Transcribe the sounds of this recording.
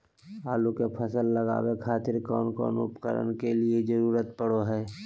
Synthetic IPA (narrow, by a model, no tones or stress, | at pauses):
aːlukepʰəsəlːəɡa̰ːwekʰaːt̪ɪɾkɔːnkɔ̰ːnʊ̰pkə̰ɾə̰nkelied͡ʒəɾuːɾət̪pəɽoɦɛː